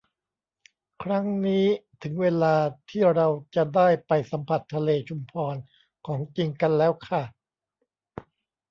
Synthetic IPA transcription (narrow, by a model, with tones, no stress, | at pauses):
kʰɾa˦˥ŋniː˦˥t̪ʰɯ˩˦ŋweː˧laː˧t̪ʰiː˥˩ɾa˧wt͡ɕa˨˩daː˥˩jpa˧jsa˩˦mpʰa˨˩t̪ʰːa˧leː˧t͡ɕʰu˧mpʰɔː˧n | kʰɔː˩˦ŋt͡ɕi˧ŋka˧nlɛː˦˥wkʰa˥˩